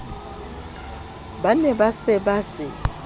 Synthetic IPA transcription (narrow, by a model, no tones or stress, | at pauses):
banɛbasɛbasɪ